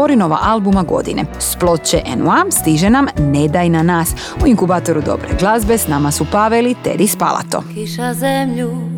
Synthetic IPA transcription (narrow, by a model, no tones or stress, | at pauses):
o̞ɾino̞ʋa̰ʔalbumaɡo̞̰d̪ḭnḛsplo̞t̪̚t͡ɕeʔenuast̪iʒenamne̞d̪ajnanaːs | uiŋkubaːt̪o̞ɾud̪o̞̰bɾḛɡlˠazbe̞snamasupaʋelit̪ḛd̪ispa̰lˠa̰t̪o̞̰kiʃazemʎu